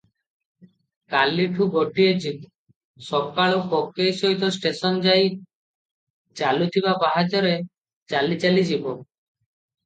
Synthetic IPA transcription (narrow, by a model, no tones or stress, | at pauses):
kalːiʈʰuɡoʈied͡ʒib | sɔbkaɭokɔkːejsɔɦit̪ɔsʈesɔnd͡ʒaj | t͡ʃalut̪ʰibabaɦad͡ʒɔɾe | t͡ʃalit͡ʃalid͡ʒibɔ